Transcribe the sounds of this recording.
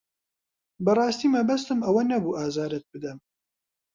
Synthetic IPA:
bɨrˤɑːst̪iːmɛbɐst̪ɨmɐwɐnɛbuːʔaːzɑːɾɛt̪̚bɨd̪ɛm

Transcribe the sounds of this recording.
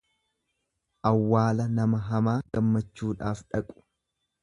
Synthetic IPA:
ʔɐwːaːlɐnɐmɐɦɐmaːɡɐmːɐt͡ʃːuːᶑaːfᶑɐkʼʊ̥

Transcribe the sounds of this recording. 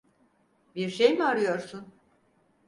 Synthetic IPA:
biɾʃejmiaɾɯjo̞ɾsun

